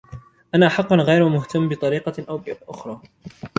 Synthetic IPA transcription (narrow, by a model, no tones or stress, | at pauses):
ʔanaːʔaħɑqːʊnɣajɾwamʊht̪amːbɪt̪ˤɑɾiːqɑʔawbɪʔʊxɾˤɑː